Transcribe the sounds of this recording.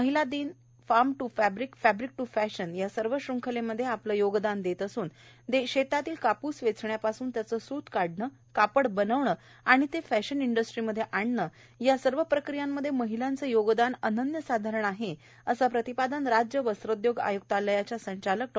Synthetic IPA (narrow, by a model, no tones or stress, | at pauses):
məɦilad̪iːn | faɾmʈufæbɾikfæbɾik̚ʈufæɕənjasəɾʋəɕɾuŋkʰəleməd̪ʱːjeapləjoɡd̪and̪et̪əsuːn | t̪eɕet̪at̪iːlkapuːsʋet͡sʰɳjapasuːnt̪jat͡səːsuːt̪kaɽɳə | kapəɽbənəʋɳə | aɽ̃it̪efæɕəniɳɖəsʈɾiməd̪ʱːjeʔaɳːə | jasəɾʋəpɾəkɾijamːəd̪ʱːjeməɦilant͡səjoɡd̪anənənjəsad̪ʱaɾəɳaɦe | əsapɾət̪ipad̪ənɾad͡ʑjəʋəsɾod̪joɡa̰juɡ̚t̪aləjat͡ɕjasəɲt͡ɕalək̚ʈ